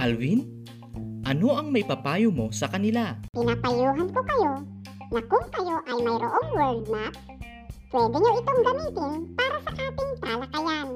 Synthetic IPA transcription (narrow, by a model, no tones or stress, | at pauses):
ʔalwin | ʔɐno̞ʔɐŋmɐjpɐpaːjomo̞sɐkɐnɪlapɪnapajuːɦɐnko̞kɐjo̞ | nɐkʊŋkɐjo̞ʔɐjmɐjɾoʔoŋwɛɹd̪̚nap̚ | pwɛːd̪ɪɲoʔɪt̪oŋɡɐmiːt̪ɪnpaːɾɐsɐkaːpɪnt̪ɾalɐkɐjan